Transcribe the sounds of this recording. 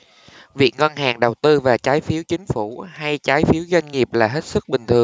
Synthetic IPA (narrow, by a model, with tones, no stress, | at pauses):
vi˨˩ək̚ŋɔ˧nɦaː˨˩ŋɗə˨˩wt̪ɨ˧vaː˨˩t͡ɕaː˨˦jfi˨˦əwt͡ɕï˨˦ŋ̟fu˧˩ha˧jt͡ɕaː˨˦jfi˨˦əwzwa˧jŋ̟ŋi˨˩əp̚laː˨˩ɦe˦˥t̚sɨ˦˥k̚ɓï˨˩ŋ̟t̪ʰɨ˨˩əŋ